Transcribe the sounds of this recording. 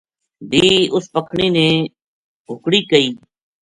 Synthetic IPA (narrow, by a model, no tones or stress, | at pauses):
bʱiːʊspəkʰɳiːnẽː | ɦʊkɽiːkəiː